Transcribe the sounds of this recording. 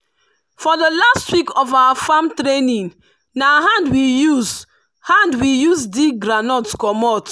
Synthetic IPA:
fɔdəlastwikɔfawafamtɾenĩn | naɦãndwijuz | hãndwijusdiɡɾanɔtskɔmɔt

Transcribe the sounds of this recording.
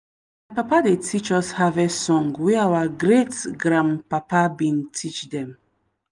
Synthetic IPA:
m | apapadetʰit͡ʃɔshavesɔ̃ŋɡwɛawaɡɾetɡɾãmpapabĩntʰit͡ʃdɛ̃m

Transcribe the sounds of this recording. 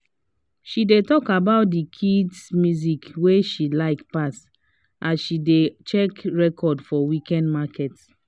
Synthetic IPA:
ʃidetɔkabaʊt̚dikʰidsmjuzikweʃilaɪkpas | ʔasʃidet͡ʃɛkɹɛkʰɔdfɔwikɛ̃ndmakʰɛt

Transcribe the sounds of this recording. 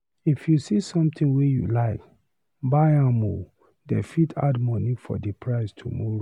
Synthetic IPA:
ifjusisɔ̃mt̪ĩŋwejṵlaɪk | baɪãmo̰ | dɛ̰fitʰa̰dmɔnifɔ̰dipʰɹaɪstʰumɔɹo

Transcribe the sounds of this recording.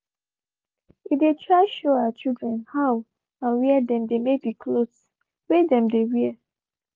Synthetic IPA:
idetʰɹaɪʃoaat͡ʃildɹɛ̃nhaʊ | ãnwiɛdɛ̃mdemebikʰlos | wedɛ̃mdewiɛ

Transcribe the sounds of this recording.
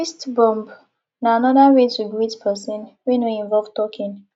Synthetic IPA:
istbɔ̃mb | naanɔdaɹetuɡɹitpʰɛsĩnwɛ̃nweĩɱvɔlvtɔkʰĩn

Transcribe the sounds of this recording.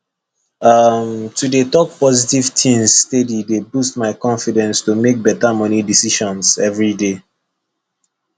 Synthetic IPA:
ʌmtʰudetɔk̚pɔzitiv̥tʰĩmsːtedidebust̚maɪkɔ̃nfidɛ̃nstumek̚bɛtamʌnidisiʃɔ̃nsɛvɹide

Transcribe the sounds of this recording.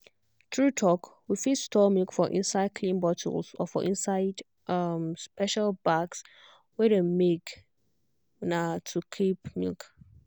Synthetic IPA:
tɹutʰɔkwifitstʰɔmilkfɔʔḭ̃nsaɪd̚kʰlĩnbɔtʰə̰lsɔ̰fɔ̰ʔĩnsaɪd | ʔamspɛʃalbaɡs | wɛdemek | natʰukʰipmḭlk

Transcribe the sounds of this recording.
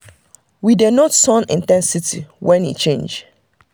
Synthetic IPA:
widenɔtsɔ̃nḭ̃ntɛ̃nsitʰḭwɛ̃nḭt͡ʃẽnd͡ʒ

